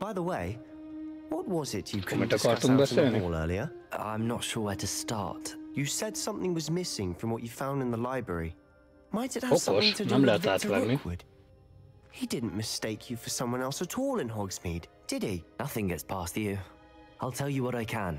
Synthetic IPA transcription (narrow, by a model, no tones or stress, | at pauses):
b̥aɪðəweɪ | wʌt̚wʌzɪt͡ʃɨkʰtəkɑə̃mbɛ̃ənɔlˠɜ̰˞lˠiə˞ | ã̰ɪ̃mnətʃʊɹwəɾɨstɑ̰ɹtjɨsɛd̥sʌ̃mθɪ̃ŋwʌzmɪsɪ̃ŋfɹʌ̃mwʌt͡ʃɨfãʊ̃ndɨ̃nðəlaɪbɹɛ̰ɹi | maɪtsɨt̚hə̥sʌ̃θɪ̃ŋtʰɨmlɛatlamiwʊd̥ | hidɪdⁿn̩mɨsteɪkʰjɨfə˞sʌ̃mwʌ̃nɛlˠsɨtʰɔlˠɨ̃nɦɑɡsmid | d̥ɨd̚inʌθɪ̃ŋɡɛtspʰæstʉ | aɪlˠtʰɛlˠjɨwʌɾaɪkʰə̃n